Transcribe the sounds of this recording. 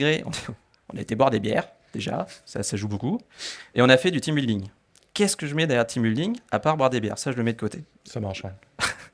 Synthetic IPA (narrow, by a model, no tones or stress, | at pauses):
ɡʁeʔɔ̰̃n | ɔ̃naet̪ebwaʁd̪ebjɛːʁ | d̪̥eʒa̰sa̰saʒubokueɔ̃nafɛd̪yt̪imyld̪iŋ | kʲɛskəʒəmɛd̪ɛʁjœʁd̪t̪ʰimyld̪iŋapaʁbwaʁd̪ebjɛ̰ʁsaʒələmɛd̪əkot̪e | samaʁʃɛ̃